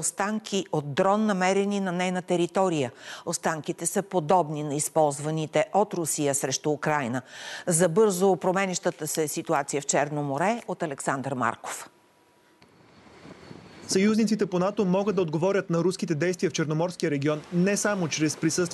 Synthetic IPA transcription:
ost̪aŋkʰʲiʔot̪̚d̪ɾɔnːɐmɛɾɛninɐnɛjnət̪ɛɾit̪ɔɾijəost̪aŋkit̪ɛsəpod̪ɔbninɐispɔlˠzvɐnit̪ɛʔot̪ɾʊsijəsɾɛʃt̪uːkɾajnəzɐbɤɾzopɾomɛniʃt̪ət̪əsɛsit̪uat̪sijəft͡ʃɛɾnomoɾɛot̪ɐlɛksand̪ɾma̰ɾko̥f | sɐjuznit̪sit̪ɛponat̪omɔɡəd̪d̪ɐod̪ɡovɔɾʲət̪nɐɾuskit̪ɛd̪ɛjst̪vijəft͡ʃɛɾnomɔɾskʲijəɾɛɡʲiɔnːɛsamot͡ʃɾɛspɾisɤst̪

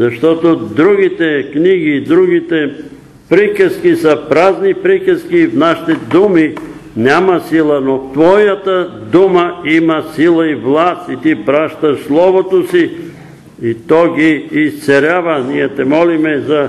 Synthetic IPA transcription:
zɐʃt̪ɔt̪od̪ɾuɡit̪ɛkniɡiːd̪ɾuɡit̪ɛ | pɾikəskisɐpɾaznipɾikəskiːfnaʃi̥t̪ɛd̪uminʲjamɐsilˠɐnot̪vɔjat̪ɐd̪umɐimɐsilˠɐivlˠast̪it̪ipɾaʃt̪ɐʃslˠɔvot̪osi | it̪ɔɡiːst̪sɛɾʲavɐnijɛt̪ɛmɔlimɛzɐ

